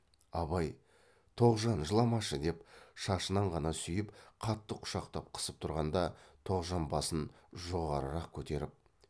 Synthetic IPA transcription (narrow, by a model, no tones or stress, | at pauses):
ɑβɑj | t̪ʰo̞ʁʒɑnʒəlˠɑmɑʃəd̪e̞pʃɑʃənɑɴʁɑnɑsʏjɪpqʰɑt̪ːəqʰʊ̥ʃɑqt̪ɑp̚qʰə̥səp̚t̪ʰʊɾʁɑnd̪ɑt̪ʰo̞ʁʒɑnbɑsənʒo̞ʁɑɾəɾɑq̚kʲʰɵt̪e̞ɾɪp̚